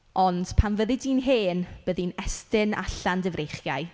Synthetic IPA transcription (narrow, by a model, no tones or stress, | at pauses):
ɔnd̥pʰanvəðɪdinɦeːnb̥əðinɛstɪna̰ɬandəvrejχjaj